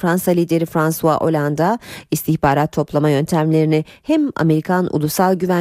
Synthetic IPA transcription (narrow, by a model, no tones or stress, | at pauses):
fɾansalʲiːd̪e̞ɾifɾansuvaʔo̞̰lʲand̪aist̪ʰiçbaːɾat̪ʰːo̞plˠamajø̞nt̪ʰæmlʲe̞ɾinɪhɛma̰me̞ɾikʰanṵlˠusalˠɟyvæ